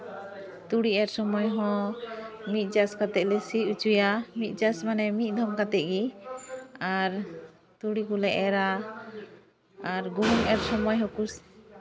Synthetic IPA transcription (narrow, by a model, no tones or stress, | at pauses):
t̪uɽiɛɾsɔmɔjɦɔ̃ | mit̪̚ˀd͡ʒaskat̪ɛʔ̚lɛsiut͡ʃujamit̪̚ˀd͡ʒasmanɛmit̪̚d̪ʱɔmkat̪ɛʔɡi | aɾ | t̪uɽikulɛʔɛɾa | aɾɡuɦuŋɛɾsɔmɔjɦɔ̃kus